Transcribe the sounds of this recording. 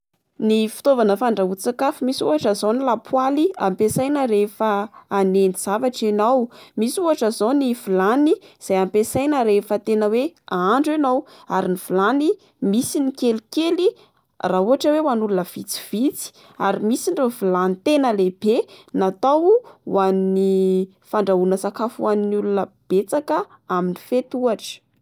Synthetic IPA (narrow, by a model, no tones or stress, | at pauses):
nifi̥t̪ovanəfaɳɖ͡ʐaut͡sakafumisuaʈ͡ʂazownilapʰwaliampesajnəɾefəːneniz̥avaʈ͡ʂinawmisuɦaʈ͡ʂazonivulaniz̥ajampesajnəɾefət̪enəweaaɳɖ͡ʐenawaɾiniv̥ulani | misinikelikeli | rauaʈ͡ʂəwewanulunəv̥it͡si̥v̥it͡si̥ | a̰ɾimisiɳɖ͡ʐovulanit̪enəlebenat̪awwanni | faɳɖ͡ʐaunəsakafuaninulunəb̥et͡sakə | aminifet̪uaʈ͡ʂə̥